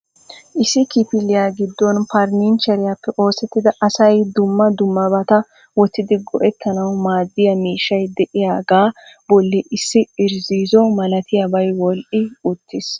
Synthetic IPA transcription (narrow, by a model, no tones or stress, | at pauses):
ʔɪsɪkɪpɪlːɪjaɡɪd̪ːɔnpɐɾnint͡ʃɐɾɪjapːɛʔo̞ːsɛt̪ːɪd̪ɐʔɐsɐjd̪ʊmːɐd̪ʊmːɐbɐt̪ɐ | wɔt̪ːɪd̪ɪɡɔʔɛt̪ːɐnɐwmaːd̪ːɪjɐmiːʃːɐjd̪ɛʔɪjaːɡaːb̥ɔlːɪʔɪsːɪɪɾziːzɔmɐlɐt̪ɪjɐbɐjwɔlʔɪʊt̪ːɪs